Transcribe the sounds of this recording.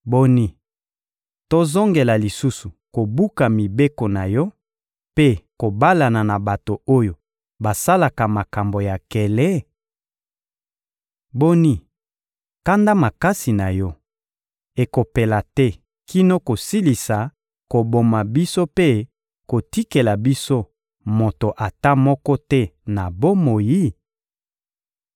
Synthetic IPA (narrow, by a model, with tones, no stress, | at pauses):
bo˦ni˦ | to˦zo˦ŋɡe˨la˨li˨su˦su˨ko˨bu˦ka˨mi˨be˦ko˨na˨jɔ˦ | pe˦ko˨ba˦la˨na˨na˨ba˨to˨o˦jo˨ | ba˨sa˦la˨ka˨ma˨ka˨mbo˨ja˨kɛ˨lɛ˦ | bo˦ni˦ | ka˦nda˦ma˨ka˦si˨na˨jɔ˦ | e˨ko˨pe˨la˨tɛ˦ | ki˦no˦ko˨si˦li˨sa˨ | ko˨bo˨ma˨bi˦so˦pe˦ | ko˨ti˦ke˨la˨bi˦so˦ | mo˨to˨ʔa˨ta˦mɔ˦kɔ˦tɛ˦na˨bo˦mo˨ji˦